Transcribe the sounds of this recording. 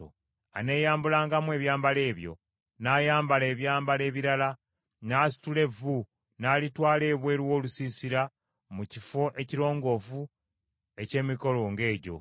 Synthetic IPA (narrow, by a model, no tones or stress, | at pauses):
o̰ | a̰ne̞ːjaːmbulaːŋɡamwe̞ːβjaːmbale̞ːβjo̞̰ | naːjaːmbale̞ːβjaːmbale̞ːβiɾala | naːsi̥tule̞vu | naːlitwaːle̞ːβwe̞ːɾwo̞ːlusiːsiɾa | mucifo̞ʔe̞ciɾo̞ːŋɡo̞vu | e̞ce̞ːmiko̞lo̞ŋɡe̞ːɟo̞̰